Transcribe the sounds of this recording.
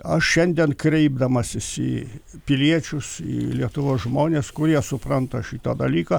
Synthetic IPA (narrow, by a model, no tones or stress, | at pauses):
ɐʃʃʲɛnʲd̪ʲiɛnkɾʲɛɪb̚d̪ɐmɐsʲɪsiːpʲɪlʲiɛt͡ʃʲʊsḭːlʲiɛt̪ʊʋoːsʒmoːnʲeskʊɾʲiɛsʊpɾɐnt̪ɐʃʲit̪ɐd̪ɐlʲiːkɑ